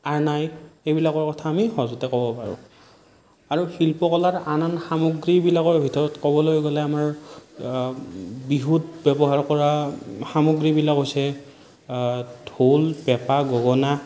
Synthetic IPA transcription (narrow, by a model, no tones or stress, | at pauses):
aɹnajejbilakɔɹkɔtʰaːmixɔzutɛkɔbɔpaɹʊ̰̃ | aɹufilpɔkɔlaɹananxamoɡɹibilakɔɹbʱitɔɹɔtkɔbɔlojɡolɛamaɹ | biɦutbɛbɔɦaɹkɔɹaxamoɡɹibilakɦojsɛ | dʱolpɛpaɡɔɡɔna